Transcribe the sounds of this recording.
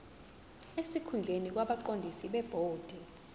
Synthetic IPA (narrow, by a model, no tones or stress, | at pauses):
esikʰund͡ɮʱenik̬waɓaǃondʱisiɓɛb̥ʱoːd̥ʱɛ